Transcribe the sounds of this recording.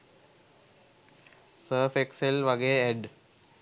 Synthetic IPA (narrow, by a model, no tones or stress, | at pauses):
səːfekselʋaɡeeɖ